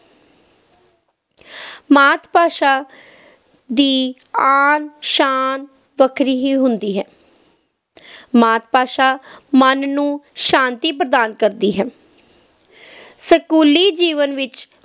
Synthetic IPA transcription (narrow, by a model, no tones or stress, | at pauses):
maːt̪ʰpaːʃaː | d̪iː | aːnʃaːn | ʋəkʰɾiːɦiːɦʊnd̪iːɦɛː | maːt̪̚paːʃaːmənnũːʃãːnt̪iːpɾəd̪aːnkəɾd̪iːɦɛː | səkuːliːd͡ʒiːʋənʋɪt͡ʃ